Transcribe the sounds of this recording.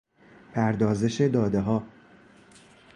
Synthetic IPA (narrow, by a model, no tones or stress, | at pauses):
pʰæɾd̪ɒːze̞ʃe̞d̪ɒːd̪e̞ɦɒː